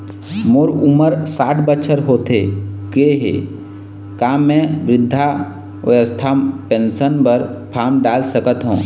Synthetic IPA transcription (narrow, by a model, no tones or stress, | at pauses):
moːɾʊməɾsaːʈʰbətːʃʰəɾɦoːt̪ekeɦḛː | kaːmɛ̃ʋɾɪd̪ʱːa | ʋɐ̰jəst̪ʰapẽːnsənpəɾpʰaːmɖaːlsəkət̪ɦõ̰ː